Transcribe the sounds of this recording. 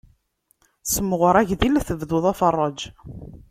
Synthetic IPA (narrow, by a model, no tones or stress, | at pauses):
səmːəʁəɾˤæʝðilθəvðʊðˤɑfərˤːɑd͡ʒ